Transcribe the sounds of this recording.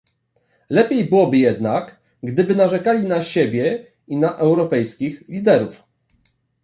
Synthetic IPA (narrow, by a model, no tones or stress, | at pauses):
lɛpʲjejbɘwɔbɘjɛd̪nak | ɡd̪ɘbɘnaʐɛkalʲinaɕebʲjɛ | inaʔɛwɾɔpɛjskʲixlʲid̪ɛɾuf